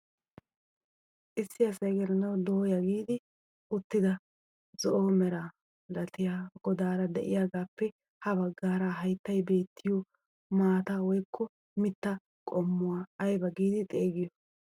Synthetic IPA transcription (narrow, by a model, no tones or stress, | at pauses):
ʔɪsːɪɐsɐjɡɛɾɛnɐwd̪oːjɐɡiːd̪ɪ | ʔʊt̪ːɪd̪ɐ | zɔʔoːmɛɾa | lɐt̪ɪjaːɡ̥ɔd̪aːɾɐd̪ɛʔɪ̰jaːɡaːpːɛ | hɐbɐɡːaːɾaɦɐjt̪ːɐjbe̞ːt̪ːɪjo | maːt̪awɔjkːɔ | mɪt̪ːɐ | kʼɔmːʊwaːjbɐɡiːd̪ɪt̪ʼeːɡɪjɔ